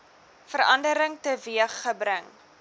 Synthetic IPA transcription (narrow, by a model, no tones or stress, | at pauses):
fəɾɐ̰ndəɾəŋtəviəχːəbɾəŋ